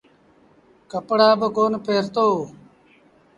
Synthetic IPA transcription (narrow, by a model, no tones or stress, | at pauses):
kəpɽaːbəɡoːnpʰeːɾt̪oː